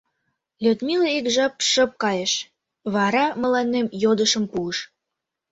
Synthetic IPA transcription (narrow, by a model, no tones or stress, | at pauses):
lʲøt̪mileikʒɑp̚ʃə̆p̚kɑjeʃ | βɑɾɑmə̆lɑnːemjod̪əʃəmpuəʃ